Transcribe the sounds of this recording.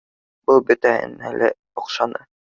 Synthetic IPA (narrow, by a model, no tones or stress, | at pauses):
bɤlˠbɵt̪æhɘ̰nælɘ | ŏqʃɑnɤ